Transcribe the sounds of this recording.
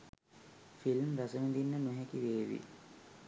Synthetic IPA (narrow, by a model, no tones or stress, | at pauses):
filmɾasəmid̪inːənuɦekiʋeːʋḭ